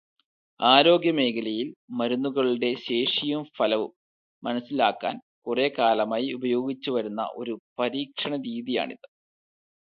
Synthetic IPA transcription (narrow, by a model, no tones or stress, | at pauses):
aːɾo̞ːɡjɐme̞ːkɐlɐjilmɐɾunːuɣɐɭiɽe̞ɕe̞ːʂijumfɐlɐʋu | mɐnɐsːilaːkːa̰ːn | kure̞ːkaːlɐmaːjiubɐjo̞ːɡit͡ɕːuʋɐɾunːɐ̰ʔo̞̰ɾupɐɾiːkʂɐɳɐɾiːðija̰ːɳḭðɨ